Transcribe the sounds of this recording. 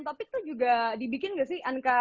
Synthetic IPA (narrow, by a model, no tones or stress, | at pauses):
t̪opɪt̪ud͡ʒuɡadibikɪnɡasɪhʔaŋka